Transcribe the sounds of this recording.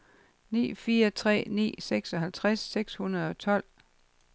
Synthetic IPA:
nḭːfiːɐt͡sʰʁɛ̰ːnḭːseɡ̥sɒ̽ɦælt͡sʰʁasːeɡ̥shunɐð̞ˠɒ̽t͡sʰɒ̽l̰

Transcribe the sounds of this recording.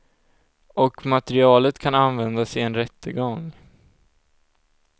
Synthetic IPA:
ɔkmat̪ɛɾɪɑːlət̪kʰananvɛnd̪asɪɛnɾɛt̪ːəɡɔŋ

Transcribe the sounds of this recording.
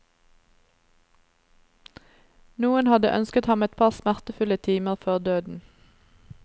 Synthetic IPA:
nuːənhɑd̪ə̰ʔœ̰nskət̪hɑmɛt̪̚pʰɑːʁsmæʁt̪əfʉlət̪ʰiːməʁføːʁd̪øːd̪n̩

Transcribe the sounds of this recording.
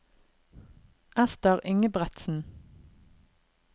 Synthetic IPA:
ʔæst̪əʁʏŋəbʁɛt̪sn̩

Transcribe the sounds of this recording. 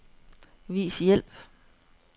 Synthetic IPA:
ʋḭːsjel̰b̥

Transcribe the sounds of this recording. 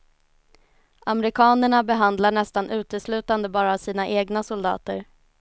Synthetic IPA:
ʔamɛɾɪkʰɑːnəɳabɛɦand̪laɳɛst̪anʔʉ̟ːt̪əslʉ̟ːt̪and̪əbɑːɾaːsiːnaʔeːɡnasʊld̪ɑ̰ːt̪əɾ

